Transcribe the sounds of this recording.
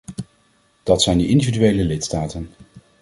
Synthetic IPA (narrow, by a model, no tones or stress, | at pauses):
d̥ɑtsɛjndəɪndividyejləlɪtstaːtən